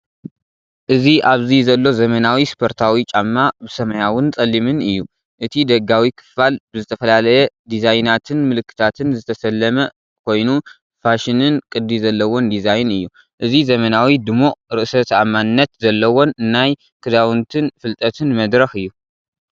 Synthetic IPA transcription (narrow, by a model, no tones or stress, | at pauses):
ʔɨziʔaβzizɐlːo̞zɐmɐnawispʰo̞ɾt̪ʰawit͡ʃʼamːabɨsɐmɐjawʊnt͡sʼɐlːimɨnɨjːu | ʔɨt̪ʰid̪ɐɡawikʰɨ̥fːalbɨzɨt̪ʰɐfɐlalɐjɛd̪izajnat̪ʰɨnmɨlɨkːɨ̥t̪ʰat̪ʰɨnzɨt̪ʰɐsɐlːɐmɐ | kʰo̞jnu | faʃɪnɨnkʼɨd̪ːizɐlːɐwo̞nd̪izajnɨjːu | ʔɨzizɐmɐnawid̪ɨmoʔɾɨʔsɐt̪amːannːɐt̪zɐlːɐwo̞nnːaj | kʰɨd̪awɨnt̪ʰɨnfɨlt̪ʼɐt̪ʰɨnmɐd̪ɾɐxɨjːu